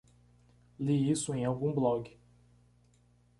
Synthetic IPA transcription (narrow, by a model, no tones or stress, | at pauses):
liisʊẽj̃awɡũblɔɡɪ